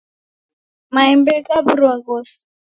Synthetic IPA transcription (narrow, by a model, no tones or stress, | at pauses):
maimbɛkaβuɾɔŋɡɔsi̥